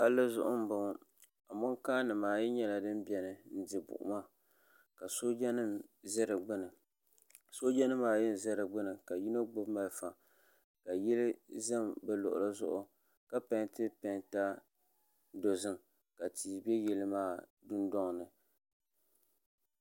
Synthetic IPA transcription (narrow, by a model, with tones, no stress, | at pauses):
ha˦lɨ˦zʊ˦ʔʊ˦m̩˦ba˦ŋ˦ | a˨mʊ˦ŋkaː˦nɨ˨maː˨jɛ˦ɲɛ˦la˨dɨ˦m˦bʲɛ˨nɨ˨n̩˦dɪ˨bʊ̰˨ʔʊ̰˨ma˦ | ka˨so˦zɛ˦ɾɨ˨ɡ͡bɨ˦nɨ˨ | so˦d͡ʒa˦nɨ˦mːaː˨jɪ˦n˨zɛ˦ɾɨ˨ɡ͡bɨ˦nɨ˨ka˨ji˦no˦ɡ͡bo˦bma˨lfa˨ | ka˨jɛ˦lɪ˦za˦mbɛ˦lʊ˨ʔʊ̰˨ɾa˦zʊ̰˦ʔʊ˦ | ka˦pa˨˦ntɨ˦pɛ˨nta˦ | do˨zɨ˦ŋ | ka˨tiː˨bɛ˦jɛ˨lɨ˦maː˦˨dʊ˦ndɔ˦ŋ˨nɨ˨